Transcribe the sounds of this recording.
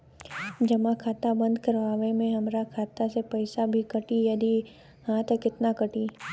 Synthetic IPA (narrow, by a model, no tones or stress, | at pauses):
d͡ʒɐmakʰaːt̪abə̃nd̪kɐɾʋaːʋemẽɦɐmɾakʰaːt̪asepɐɪsabʱikɐʈijɐd̪i | hãt̪ɐkɪt̪nakɐʈi